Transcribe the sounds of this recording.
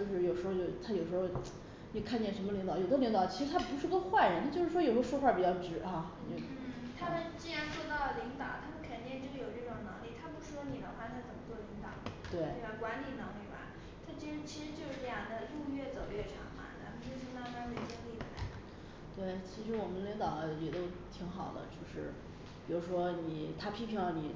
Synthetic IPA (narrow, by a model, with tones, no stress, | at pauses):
t͡ɕjo˥˧ʊʂɻ̩˥˩jo˨˩ʊʂɻ̩˧˥xo˥˧ʊt͡ɕjo˥˧˩ʊt̪ʰa˥jo˨˩ʊʂɻ̩˧˥xo˥˧ʊ | o˥˩kʰa˥˧nt͡ɕjɛ˥˩nʂə˧˥nmə˧li˧˥ŋt̪ɑ˨˩˦jo˨˩ʊo˥li˧˥ŋt̪ɑ˨˧˦ʊt͡ɕʰi˧˥ʂɻ̩˧t̪ʰa˥pu˧˥ʂɻ̩˥˩t̪ɔ˥xwa˥˩nɻə˧˥nt͡ɕjo˥˧ʂɻ̩˥˩wɔ˥jo˨˩ʂʂxwa˥˩pi˨˩t͡ɕjɑ˥ʊʈ͡ʂɻ̩˧˥xa˥˧ | o˥˧˩ | t̪ʰa˥mə˨nt͡ɕi˥ɻa˧˥nt͡swɔ˥˧t̪ɑ˥˩lə˩li˧˥ŋt̪ɑ˨˩ʊt̪ʰa˥mə˨nkʰə˨˩nt̪jɛ˥˧nʈ͡ʂə˥˧jo˨˩ʊʈ͡ʂɤ˥˩ʈ͡ʂʊ˨˩ŋnɤ˧˥ŋli˥˩t̪ʰa˥pu˧˥ʂ̩˥˩ʂwɔ˥ni˨˩d̪ə˧˦xwa˥˩t̪ʰa˥t͡sə˨˩mə˦t͡swɔ˥˩li˧˥ŋt̪ɑ̰˨˩˦ʊnə̰˦t̪we˥˩ɪ˥˩a˥˩kwa˧˥nli˨˩nɤ˧˥ŋli˥˩bɐ̰˧˦ | t̪ʰa˥t͡ɕi˥a˧˥t͡ɕʰi˧˥ʂɻ̩˧˥t͡ɕjo˥˧ʊʂɻ̩˥˩˥jɑ˨˥˩ŋd̪ə˧˩ju˥˧ɥɛ˥˩t͡so˨˩ʊɥɛ˥˩ʈ͡ʂʰɑ̰˨˧˥ŋmɐ̰˩t͡sa˥mə˧nt͡ɕjo˥˧ʊʂɻ̩˥˧na˥˩kɑ˥xe˥˩t͡ɕi˥ŋli˥˩wə̰˧˩la̰˧˥ɪ˩ | t̪we˥˩ɪt͡ɕʰi˧˥ʂɻ̩˧˥wɔ˨˩mə˦nli˧˥ŋt̪ɑ˨˩ʊə˦jɛ˨˩t̪o˥ʊt̪ʰi˧˥ŋxɑ˨˩ʊd̪ə̰˦t͡ɕjo˥˧ʊʂɻ̩˥˩ | pi˨˩ɻu˧˥ʂwɔ˥ni˨˩t̪ʰa˥pʰi˧˥nʈ͡ʂʰɑ˧˥ŋlə˧ni˨˩